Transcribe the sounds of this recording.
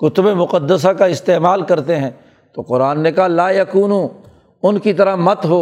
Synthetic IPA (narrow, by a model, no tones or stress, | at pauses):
kʊt̪ʊbemʊqəd̪ːəs̬akaɪst̪eːmaːlkɐɾt̪eɦɛ̃ː | t̪oːqʊɾaːnːekaɦlaːjɐkuːnũ | ʊnkit̪ɐɾamɐt̪ɦoː